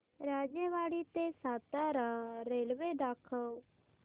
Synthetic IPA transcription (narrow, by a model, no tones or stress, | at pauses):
ɾaːd͡ʒẽːʋaːɽiːt̪eːsaːt̪ãːɾaːɾeːlʋeːɖaːkʰə